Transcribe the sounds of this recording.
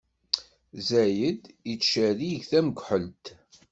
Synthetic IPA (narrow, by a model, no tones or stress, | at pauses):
zæjəd̪it͡sːʃæɾiʝθæməɡʷħəlt̪